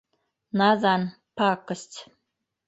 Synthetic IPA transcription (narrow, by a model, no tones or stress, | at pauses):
nazan | pakəsʲt͡s